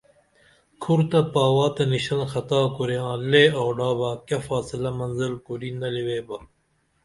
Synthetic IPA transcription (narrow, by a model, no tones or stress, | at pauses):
kʰuɾt̪ɐpaːwaːt̪eniɕɐnxɐt̪aːkoɾjãːleːoːɖaːbɐkjɐfaːsilɐmɐnzilkoɾinɐliweːbɐ